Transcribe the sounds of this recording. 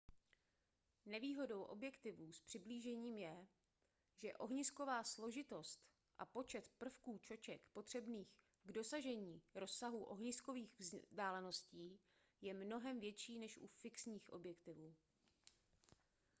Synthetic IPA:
nɛviːɦo̞do̞wʔo̞̰bjɛkt̪ɪvuːspr̥ɪbliːʒɛɲiːmjɛ | ʒɛʔo̞ɦɲɪsko̞vaːslo̞ʒɪt̪o̞st̪ | ʔa̰po̞t͡ʃɛt̪pr̩fkuːt͡ʃo̞t͡ʃɛkpo̞t̪r̝̥ɛbniːx | ɡdo̞saʒɛɲiːɾo̞sːaɦuʔo̞̰ɦɲɪsko̞viːxvzdaːlɛno̞sciː | jɛmno̞ɦɛmvjɛt͡ʃiːnɛʃʔṵfɪksɲiːxʔo̞bjɛkt̪ɪvuː

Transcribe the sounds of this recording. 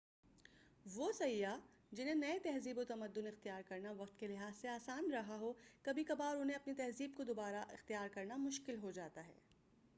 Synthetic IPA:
ʋoːsɐjjːa | d͡ʒɪn̤ẽnɐet̪ɛɦziːbot̪ɐməd̪ːʊnɪxt̪ijaːɾkɐɾnaʋɐq̚t̪kelɪɦaːzseaːsaːnɾɐɦaɦokɐbʱikɐbaːɾʊnɦẽɐpnit̪ɛɦziːb̚kod̪oːbaːɾaʔɪ̰xt̪ijaːɾkɐɾnamʊʃkɪlɦod͡ʒaːt̪aɦɛ̰ː

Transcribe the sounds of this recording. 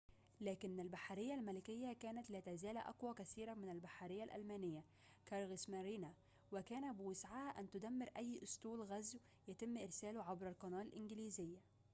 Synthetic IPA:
læːkɪnːælbaħaɾɪjːælmælɪkɪjːækæːnæt̪læːt̪æzæːlæʔæ̰qwækæθiːɾæmɪnælbaħaɾɪjːælʔæ̰lmæːnɪjːæ | kɑɾˤɣɪsmæɾiːnæ | wɪkæːnæbɪwɪsʕahæʔænt̪ʊd̪æmːeɾʔæjːʔʊst̪uːlɣæzw | jæt̪ɪmːʔɪɾsæːlʊʕabɾælqɑnɑːlɪlʔɪnɡɪliːzɪjːæ

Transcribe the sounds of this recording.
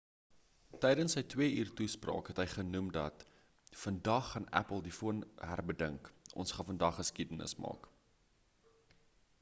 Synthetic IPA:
tɛjdənsːəjtwiəiːrtusprɑ̰ːkɦɛtɦəjχənumdɐt | fəndɐχːɐnæ̰pəlˠdifuənɦærbədəŋkʔɔ̰nsχɐfəndɐχːəskidənə̰smɑ̰ːk

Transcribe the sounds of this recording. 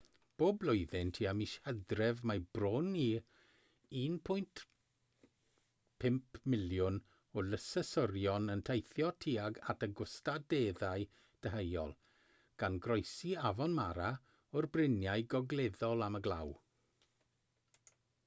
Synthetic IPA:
b̥oːblˠʊjðɪntʰiːamiʃhədrɛvmajbroni | iːnpʰʊjnt | pʰɪmpʰmɪljʊn | ɔləsəsɔrjɔnəntʰejθjɔtʰiaɡatəɡʊstadeðaj | d̥əɦejɔ̰lˠ | ɡ̥anɡrɔjsiavɔnmaɾa | ɔrbrɪnjajɡɔɡleðɔlˠaməɡlˠa̰w

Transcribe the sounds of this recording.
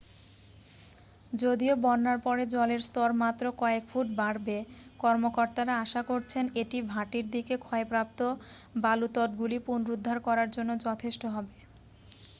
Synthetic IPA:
d͡ʑod̪iobɔnnːaɾpɔɾed͡ʑɔleɾst̪ɔɾmat̪ːɾokɔekfʰuʈ̚baɽbekɔɾmokoɾt̪aɾaaʃakoɾt͡ɕʰeneʈibʱaʈiɾd̪ikekʰɔepɾap̚t̪o | balut̪ɔʈɡulipunɾud̪ʱːaɾkɔɾaɾd͡ʑonːod͡ʑɔt̪ʰeʃʈoɦɔbe

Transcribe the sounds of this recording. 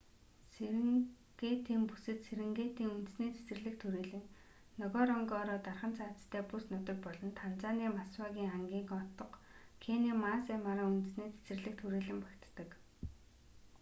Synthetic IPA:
seɾɘ̆ŋ | ɡ̥eːt̪ʰiːmpu̥sɘ̆t̪seɾɘ̆ŋɡeːt̪iːŋunt̪ɘ̆sniːt͡sʰe̥sɘ̆rɮɘ̆kt̪ʰuɾiːɮɘ̆ŋ | nɔɣɔːɾɔŋɡɔːɾɔːt̪arχə̆nt͡sʰaːt͡sst̪ʰæːpusnʊt̪ɪ̆kpɔɮɞ̆nt̪ʰant͡saːniːmaswaːɣʲiːŋχaŋɡʲiːŋɔt̪ɞ̆qkʰeːniːmaːseːmaɾaːŋunt̪ɘ̆sniːt͡sʰe̥sɘ̆rɮɘ̆k̚t̪ʰuɾiːɮɘ̆mpḁkʲt̪ːə̆k

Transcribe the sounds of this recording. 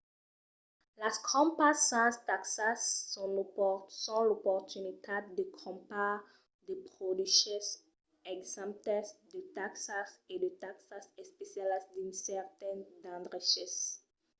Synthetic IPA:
laskʰɔ̃mpasːãstaksasːɔ̃lsɔ̃lopɔtunitʰadekʰɔ̃mpa | depɾodiʃɔs | ɛksãmtɛsdetaksasɛ̃detaksasɛspɛsialasdĩnsɛtɛ̃ndãndɾaʃɛs

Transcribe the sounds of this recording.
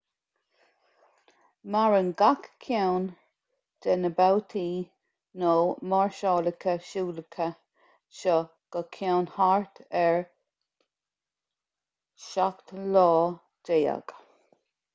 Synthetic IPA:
maɹənɡakkʰːɛwn | d̪ɛnəbawt̪ʰiː | noːmaɹʃɑːləkʰəʃuːləkʰə | ʃɔ | ɡ̥əkʰawnhaɹt̪ʰɛɹ | ʃakt̪lɔː | deːa̰ɡ̥

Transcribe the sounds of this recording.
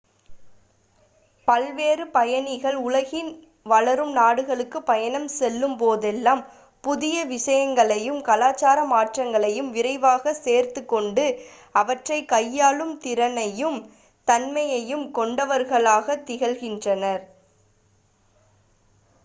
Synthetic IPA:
pɐlʋeːrɯpɐjɐnɪɣɐɭʊɭɐɣɪn | ʋɐɭɐɾɯmnaːɽɯɣɐɭɯkːɯpːɐjɐnɐmsɛlːɯmpoːðɛlːaːm | pʊðɪjɐʋɪʂɐjɐŋɡɐɭɐjɯmkɐlaːt͡ʃːaːɾɐmaːʈrɐŋɡɐɭɐjɯmʋɪɾɐɪʋaːɣɐseːɾt̪ɯkːɔɳɖɯ | ɐʋɐʈrɐɪkɐjːaːɭɯmt̪ɪɾɐnɐjɯm | t̪ɐnmɐjɐjɯmkɔɳɖɐʋɐɾɣɐɭaːɣɐt̪ːɪɣɐlɣɪndrɐnɐɾ

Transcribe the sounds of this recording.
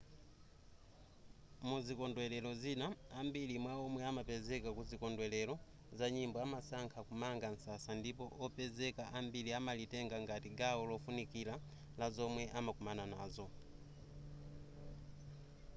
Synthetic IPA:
muzikɔndwɛlɛlɔzinaambilimwaɔmwɛamapɛzɛkakuzikɔndwɛlɛlɔ | zaɲimbɔamasaŋkʰakumaŋɡan̩sasandipɔʔɔpɛzɛkaʔambiliamalitɛŋɡaŋɡatiɡaɔlɔfunikila | lazɔmwɛʔamakumananaːzɔ

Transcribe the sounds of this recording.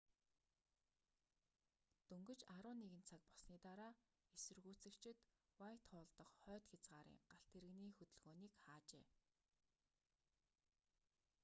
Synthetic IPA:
t̪ɵŋɡɵ̆t͡ɕaɾʊːnːeɣɘ̆nt͡sʰak̚pɔ̥sniːt̪aɾaː | esɵ̆rɣuːt͡sɘ̆kt͡ɕʰɪ̆t̪wajt̪χʊːɮt̪ɞ̆qχœːt̪xʲat͡sɢaːɾḭːŋɢ̥aɬt̪ʰeɾɘ̆ɣniːxɵt̪ɵ̆ɮɣoːniːkχaːt͡ɕḛː

